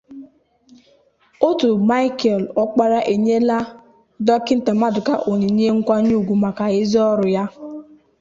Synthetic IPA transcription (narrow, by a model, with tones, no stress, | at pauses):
o˦tʊ˨ma˦ɪ˦ke˨lɔ˦k͡pa˦ɾa˦ʔe˨ɲe˦la˦ | dɔ˦kɪ˦n̩˦ta˨ma˦dʊ˨ka˨ʔo˨ɲe˨ɲe˦ŋ̩˦kʷa˦ɲu˦˨ɡʷu˨ma˨ka˨ɪ˦zɔ˦ɾʊ˨ja˦